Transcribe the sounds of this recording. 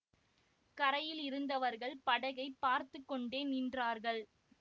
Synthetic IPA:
kɐɾɐjɪlɪɾɯnd̪ɐʋɐɾɣɐɭpɐɽɐɣɐɪpːaːɾt̪ɯkːɔɳɖeːniːndraːɾɣɐɭ

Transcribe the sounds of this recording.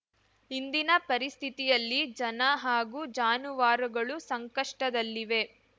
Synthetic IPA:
ɦind̪inɐpɐɾist̪ʰit̪ijɐlːid͡ʒɐnɐɦaːɡud͡ʒaːnuʋaːɾɐɡɐɭusɐŋkɐʂʈɐd̪ɐlːiʋe̞

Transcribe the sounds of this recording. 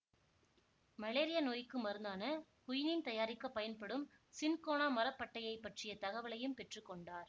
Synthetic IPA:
mɐleːɾɪjanoːjkːɯmɐɾɯnd̪aːnɐ | kʊjɪnɪnt̪ɐjaːɾɪkːɐpːɐjɐnpɐɽɯm | sɪnkoːnaːmɐɾɐpːɐʈːɐjɐɪpːɐʈrɪjɐt̪ɐɣɐʋɐɭɐjɯmpɛʈrɯkːɔɳɖaːɾ

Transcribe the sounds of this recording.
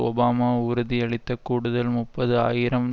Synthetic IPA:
ɔ̰baːmaːʊɾʊðiɛɭɪt̪ːɐkuːɽʊðɐlmʊpːɐðɯa̰ːjɪɾɐm

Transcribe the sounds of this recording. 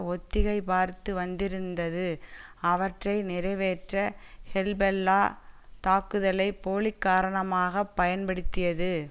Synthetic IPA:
ɔt̪ːɪɣɐɪpaːɾt̪ɯʋɐnd̪ɪɾɯnd̪ɐðɯɐʋɐʈrɐɪnɪɾɐɪʋeːʈrɐhɛlbɛlːaːt̪aːkɯðɐlɐɪpoːlɪkːaːɾɐɳɐmaːɣɐpːɐjɐnpɐɽɯt̪ːɪjɐðɯ

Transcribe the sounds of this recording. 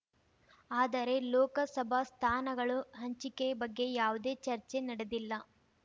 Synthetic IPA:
aːd̪ɐɾe̞lɔːkɐsɐbʱɐst̪ʰaːnɐɡɐɭuɦɐɲt͡ʃikebɐɡːe̞jaːʋud̪e̞ːt͡ʃɐɾt͡ʃe̞nɐɽed̪ilːɐ

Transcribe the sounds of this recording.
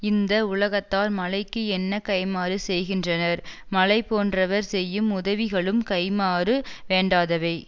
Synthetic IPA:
ɪnd̪ɐʊlɐɣɐt̪ːaːlmɐlɐɪkːɯɛnːɐkɐɪmaːɾɯsɛjɣɪndrɐnɐɾ | mɐlɐɪpoːndrɐʋɐɾsɛjːɯmʊðɐʋɪɣɐɭɯmkɐɪmaːɾɯʋeːɳɖaːðɐʋɐɪ

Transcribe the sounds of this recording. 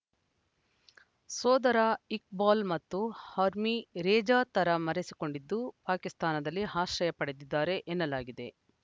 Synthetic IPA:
sɔːd̪ɐɾaik̚baːlmɐt̪ːuhɐɾmiɾeːd͡ʒaːt̪ɐɾɐmɐɾesiko̞ɳɖid̪ːupaːkist̪aːnɐd̪ɐlːiɦaːʃɾɐjɐpɐɽed̪id̪ːaːɾe̞ʔenːɐlaːɡid̪e̞

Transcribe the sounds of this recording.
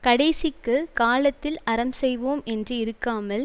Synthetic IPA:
kɐɽɐɪsɪkːɯkaːlɐt̪ːɪlɐɾɐmsɛjʋoːmʔɛndrɯɪɾɯkːaːmɐl

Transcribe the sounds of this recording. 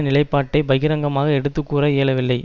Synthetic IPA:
nɪlɐɪpːaːʈːɐɪbɐjɣɪɾɐŋɡɐmaːɣɐɛɽɯt̪ːɯkːuːɾɐeːɭɐʋɪlːɐɪ

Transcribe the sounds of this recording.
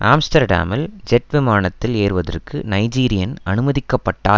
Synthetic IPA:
ʔaːmsʈɐɾɖa̰ːmɐld͡ʒɛʈʋɪmaːnɐt̪ːɪleːrʋɐðɐ̰rkɯnɐɪd͡ʒiːɾɪjɐnɐnɯmɐðɪkːɐpːɐʈːa̰ːl

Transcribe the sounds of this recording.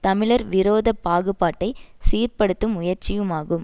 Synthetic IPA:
t̪ɐmɪɭɐɾʋɪɾoːðɐpːaːɣɯpːaːʈːɐɪsiːrpɐɽɯt̪ːɯmʊjɐɾt͡ʃɪjɯmaːɣɯm

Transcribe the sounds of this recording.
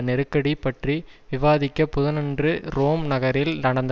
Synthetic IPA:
nɛɾɯkːɐɽipːɐʈriʋɪʋaːðɪkːɐpʊðɐnɐndrɯɾoːmnɐɣɐɾɪlnɐɽɐnd̪

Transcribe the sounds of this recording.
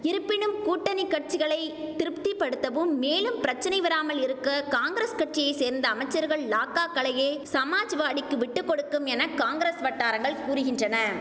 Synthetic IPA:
ɪɾɯpːɪnɯmkuːʈːɐnikːɐʈ̚t͡ʃɪɣɐɭɐɪt̪ɪɾɯpt̪ipːɐɽɯt̪ːɐʋɯmːeːlɯmpɪɾɐt͡ʃːɐnɐɪʋɐɾaːmɐlɪɾɯkːɐkaːŋɡɾeːskɐʈ̚t͡ʃɪjɐɪseːɾnd̪ɐːmɐɪt͡ʃːɐɾɣɐɭlaːkːaːkːɐɭɐjeːsɐmaːd͡ʒʋaːɽɪkːɯʋɪʈːɯkːɔɽɯkːɯmɛnɐkaːŋɡɾesʋɐʈːaːɾɐŋɡɐɭkuːɾɯɣɪndrɐnɐ

